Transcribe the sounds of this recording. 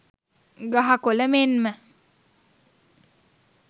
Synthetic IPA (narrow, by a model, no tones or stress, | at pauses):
ɡaɦakoləmenmə